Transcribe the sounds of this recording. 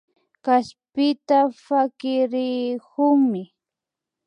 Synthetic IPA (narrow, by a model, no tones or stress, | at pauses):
kaspɪt̪afakɪɾɪkʊŋmɪ